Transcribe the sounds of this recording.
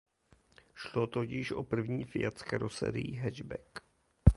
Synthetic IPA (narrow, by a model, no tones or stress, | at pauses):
ʃlot̪ocɪʃʔo̰pr̩vɲiːfɪjat̪t͡skɛɾosɛ̰ːɾɪjiɦɛʒbɛk